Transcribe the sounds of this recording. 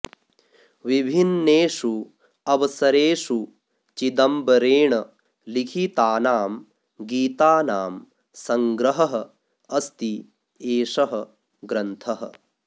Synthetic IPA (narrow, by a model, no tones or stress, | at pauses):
ʋibʱinːeːʂu | ɐʋɐsɐɾeːʂu | t͡ʃid̪ɐmbɐɾeːɳɐ | likʰit̪aːnaːm | ɡiːt̪aːnaːm | sɐŋɡɾɐɦɐɦɐ̆ | ɐst̪i | eːʂɐɦɐ | ɡɾɐnt̪ʰɐɦɐ̰